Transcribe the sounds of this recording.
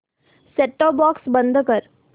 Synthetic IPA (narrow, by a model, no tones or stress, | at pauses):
seːʈːɔːbɔːksbə̃nd̪ʱkəɾ